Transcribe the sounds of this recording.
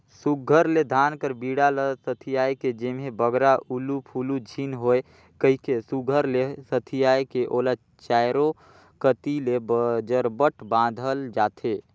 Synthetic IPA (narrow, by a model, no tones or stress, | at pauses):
suɡʱəɾled̪ʱaːnkəɾbiːɽaləsət̪ʰijaːjked͡ʒemɦebəɡɾaʔulupʰuːlud͡ʒʱinɦoe | kəɦikesuɡʱəɾlesət̪ʰijaːjkeʔoːla | t͡ʃaːjɾo | kət̪ilebd͡ʒəɾbəʈʰbãːd̪ʱəld͡ʒaːt̪ʰeː